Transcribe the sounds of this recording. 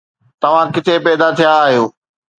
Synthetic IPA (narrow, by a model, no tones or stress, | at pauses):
t̪ɐʋ̤ãkɪt̪epɛːd̪at̪ʰijaːɦijoː